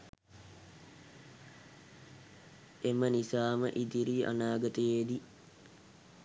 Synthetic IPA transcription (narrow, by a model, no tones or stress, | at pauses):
ʔemənisaːmə̰ʔid̪iɾiːʔa̰naːɡɐt̪əjeːd̪i